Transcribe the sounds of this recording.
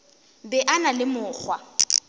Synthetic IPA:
bɛʔanalɪmʊːk͡xwa̰

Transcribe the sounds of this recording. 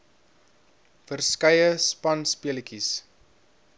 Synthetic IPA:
fərskɐjəspɐnspiələkis

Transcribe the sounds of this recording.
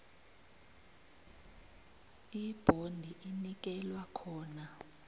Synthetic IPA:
ib̥ʱondʱiʔinik̬ʼɛlwakʰɔːna

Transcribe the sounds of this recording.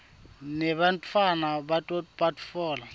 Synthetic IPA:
nɛɓantʰʼwanaɓatʼɔpʼatfɔːl

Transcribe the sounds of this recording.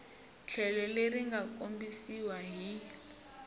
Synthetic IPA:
t͡ɬʰɛlɔleriŋɡakʼombisiwaɦi

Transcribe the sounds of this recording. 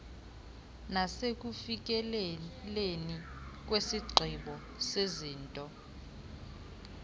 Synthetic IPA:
nasek̬ufik̬ɛlelenik̬wesiɡ͡ǀʱiɓɔ | seziːntʼɔ

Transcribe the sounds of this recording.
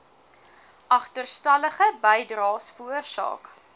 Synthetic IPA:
ʔɐχtərstɐləχəbəjdrɑːsfərsɑ̰ːk

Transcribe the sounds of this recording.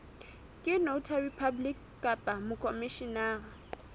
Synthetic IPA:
kʼɪnoʊtʰaripʰablik | kʼapʼamʊkʼomɪʃinaːɣa

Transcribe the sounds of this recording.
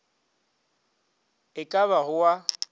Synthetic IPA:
ɪkʼaβaɣʊwa

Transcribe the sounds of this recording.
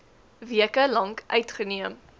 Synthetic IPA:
viəkəlɐŋkʔœɥtχəniəm

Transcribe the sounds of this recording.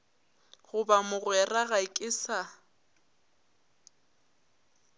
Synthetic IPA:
ɣʊbamʊɣwɛraɣaɪkʼɪsa

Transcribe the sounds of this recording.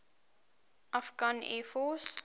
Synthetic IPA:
ʔafɡãnɛ̰fɔs

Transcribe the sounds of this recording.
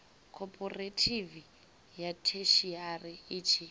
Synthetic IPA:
kʰɔpʰʼɔretʰivi | jatʰeʃiariit͡ʃʰi

